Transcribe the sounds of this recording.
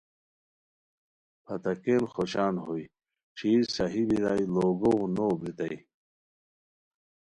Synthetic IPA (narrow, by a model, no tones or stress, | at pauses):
pʰɐt̪ɐkeːnxoɕaːnɦoj | t͡ɕʰiːsɐɦibiɾaːjloːɡoɣunoːbɾit̪ɐj